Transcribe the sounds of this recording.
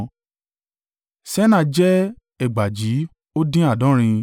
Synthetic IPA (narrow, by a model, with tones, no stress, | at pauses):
sɛ˦nã˧d͡ʒɛ˦ | ɛ˦˨ɡ͡ba˨d͡ʒi˨˦ | o˦dĩ˦a˦˨dɔ̃˨˦ɾ̃ĩ˧